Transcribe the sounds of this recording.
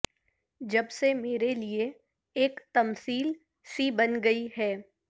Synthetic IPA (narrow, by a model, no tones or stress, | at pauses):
d͡ʒɐbsemeːɾelie | eːkt̪ɐmsiːl | sibɐnɡɐiɦɛː